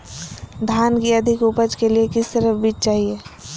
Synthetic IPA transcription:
d̪ʱaːnkiəd̪ʱɪkupəd͡ʒkeliekɪst̪əɾəfbiːt͡ʃt͡ʃaːɦieː

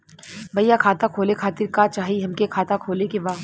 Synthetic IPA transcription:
bʱɐjːakʰaːt̪akʰoːlekʰaːt̪ɪɾkat͡ʃaːɦiɦɐmkekʰaːt̪akʰoːlekebaː

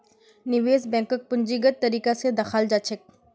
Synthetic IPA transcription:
nɪʋeːzbɛ̃ːŋkək̚pʊɲd͡ʒiːɡət̪̚ːɐɾiːkased̪ɐxaːld͡ʒat͡ʃʰɪk̚

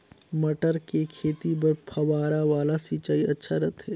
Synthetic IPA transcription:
mɐʈəɾkekʰeːt̪ip̬ɐɾpʰɐʋaːɾaʋaːlasiːt͡ʃaːiɐtːʃʰaɾɐt̪ɦɛː

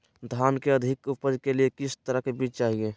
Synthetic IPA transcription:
d̪ʱaːnkeəd̪ʱɪkʊpəd͡ʒkeliekɪst̪əɾəkebiːt͡ʃt͡ʃaːɦie

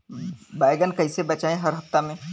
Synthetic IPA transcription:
baːjɡənkɐɪsebɐt͡ʃaːẽɦɐɾɦɐft̪amẽ

